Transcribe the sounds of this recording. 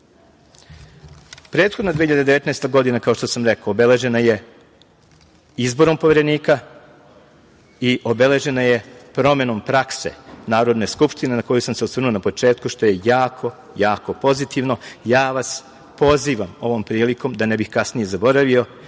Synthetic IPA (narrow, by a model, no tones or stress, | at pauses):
pɾet̪xod̪nad̪iːçiʎad̪ed̪eʋe̞t̪naest̪aɡo̞d̪inakao̞ʃt̪o̞samɾekaoːbe̞le̞ʒe̞naje̞ | izbo̞ɾompo̞ʋeɾe̞niːka | iʔo̞bele̞ʒe̞naje̞pɾo̞me̞no̞mpɾakse̞̰naːɾo̞d̪ne̞skupʃt̪ine̞nako̞jusamseot̪sr̩nuonapo̞t͡ʃe̞ːt̪kuʃt̪o̞je̞jaːkʰo̞ | jaːko̞po̞zit̪iʋno̞jaːʋas | po̞ziːʋamo̞ʋo̞mpɾiːliko̞md̪anebixkasnije̞zabo̞ɾaʋio̞